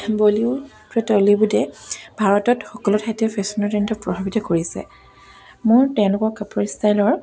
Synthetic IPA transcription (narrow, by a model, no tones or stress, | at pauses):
boliʊ | pɹɔtɔlibudɛbʱaɹɔtɔtxɔkɔlɔtʰajtɔpʰɛsɔnɔtɛ̃ntɔpɹɔbʱabitɔkoɹisɛ̰ | mʊɹtɛʊ̃lʊkɔɹkapɔɹistajlɔɹ